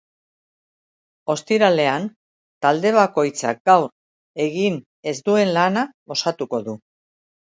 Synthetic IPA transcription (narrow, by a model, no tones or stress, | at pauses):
o̞st̪iɾale̞an | t̪ald̪e̞β̞ako̞jt͡sa̰k̚ɡawɾ | e̞ɣin | e̞zd̪ue̞nlanao̞sat̪uko̞ðu